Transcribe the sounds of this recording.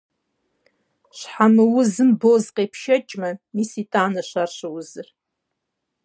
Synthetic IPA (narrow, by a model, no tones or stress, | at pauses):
ɕħamɨwʊzɨmboːzqʼeːpʰʃɐt͡ʃʼmɐmiːsiːtʼaːnɐɕarɕɐwʊzɨr